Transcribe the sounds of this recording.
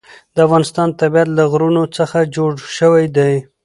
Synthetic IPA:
d̪̥əafɣɑnɪst̪ɑnt̪abiat̪laɣɾunot͡səxad͡ʒoɽʃəwajd̪aj

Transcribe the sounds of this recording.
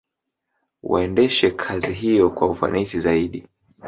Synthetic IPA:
wa̰ɛndɛʃɛkʰaziɦijɔkwaufa̰nisizaiɗi

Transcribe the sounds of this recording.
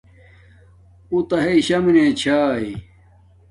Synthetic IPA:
ut̪ɐɦeiɕɐmnẽːt͡ɕʰaːi

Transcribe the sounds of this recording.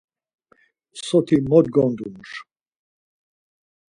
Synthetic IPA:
sɔt̪ʰimɔd̪̚ɡɔnd̪unʂ

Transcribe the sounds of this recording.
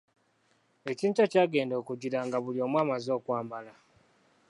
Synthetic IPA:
e̞ciːntacaːɡe̞ːndo̞kuɟiɾaŋɡaβulio̞ːmwaːmazo̞ːkwaːmbala

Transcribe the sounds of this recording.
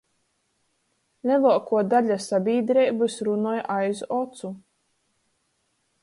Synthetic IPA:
lʲɛlˠuɔkuɔd̪aʎʲasabʲiːd̪ɾɛjbɨsɾunɔjʔajzɔt̪su

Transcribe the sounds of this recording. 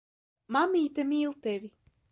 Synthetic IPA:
mamʲiːt̪əmiːlˠt̪evʲi

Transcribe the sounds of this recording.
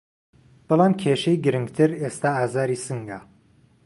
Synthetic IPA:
b̥ɨlˠaːmkʰeːʃejɡɨɾɨŋɡt̪ʰɨɾest̪aːaːzaːɾiːsɨŋɡa

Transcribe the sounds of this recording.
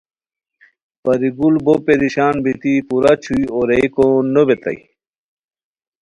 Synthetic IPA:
pɐɾiɡulbopeɾiɕaːnbit̪ipuɾat͡ɕʰuioɾejkonobet̪ɐ̰j

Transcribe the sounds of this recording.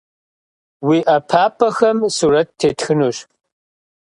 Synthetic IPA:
wiːʔɐpʰaːpʰʼɐxɐmsuːɾɐtːʰeːtʰxɨnuɕ

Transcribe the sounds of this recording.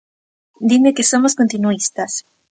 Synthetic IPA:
d̪imekeso̞mosko̞nt̪inuist̪as

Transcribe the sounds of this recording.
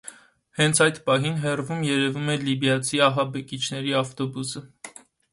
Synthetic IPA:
hɛnt͡sʰɑjt̪pɑɦinɦɛrvumjɛɾɛvumɛlibjɑt͡sʰiɑɦɑbɛkit͡ʃʰnɛɾiɑft̪ɔbusə

